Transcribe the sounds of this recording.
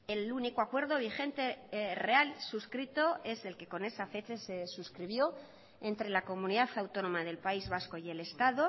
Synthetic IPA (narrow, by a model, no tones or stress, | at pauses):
e̞luniko̞akwe̞ɾðo̞β̞ixe̞nt̪e̞re̞alsuskɾit̪o̞e̞se̞lke̞ko̞ne̞safe̞t͡ʃese̞suskɾiβ̞jo̞ | e̞nt̪ɾe̞lako̞mũniðaθawt̪o̞nõ̞maðe̞lpaizβasko̞je̞le̞st̪aðo̞